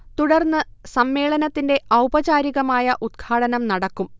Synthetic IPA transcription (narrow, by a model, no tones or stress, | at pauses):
t̪uɽɐrnːɨsɐmːe̞ːɭɐnɐt̪ːinde̞ʔɐwbɐt͡ɕaːɾiɣɐmaːjɐʔud̪̚ɡʰaːɽɐnɐmnɐɽɐkːum